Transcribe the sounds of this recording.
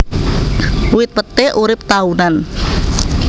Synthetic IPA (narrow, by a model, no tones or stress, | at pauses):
wɪt̪̚pət̪ɛʔuɾɪp̚t̪aunan